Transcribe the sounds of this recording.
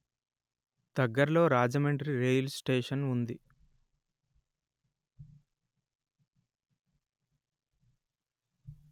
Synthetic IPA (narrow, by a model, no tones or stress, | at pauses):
d̪̥ɐɡːɐɾlo̞ːɾaːd͡ʒɐmeɳʈɾiɾejlsʈeːʂɐnund̪i